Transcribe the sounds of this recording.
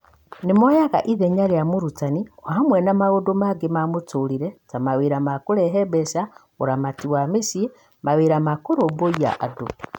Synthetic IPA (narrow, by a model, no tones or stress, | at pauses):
nemɔjaɣa̰ʔiðɛɲaɾeamoɾutaniɔhamwɛnamaɣodomaɡemamotoɾiɾɛtamaweɾamakoɾɛɦɛbɛsa | o̰ɾamatiwamesie | maweɾamakoɾoboia̰ʔa̰do